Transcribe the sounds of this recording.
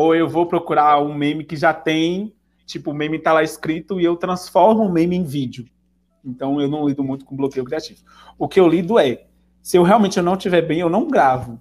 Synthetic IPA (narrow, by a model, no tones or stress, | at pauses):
oewvowpɾokuɾaũmẽmɪkɪʒat̪ẽj̃ | t͡ʃipʊːmẽmɪt̪alaɪskɾit̪ʊiewt̪ɾɐ̃sfɔɾmʊũmẽmɪẽj̃vid͡ʒiʊ | ẽnt̪ɐ̃w̃ewnɐ̃w̃lid̪ʊmũj̃t̪ʊ̥kõblokejʊkɾiat͡ʃivʊ | ʊkɪewlid̪ʊɛ | sɪewɦeawmẽnt͡ʃɪewnɐ̃w̃t͡ʃivɛɾbẽj̃ewnɐ̃w̃ɡɾavʊ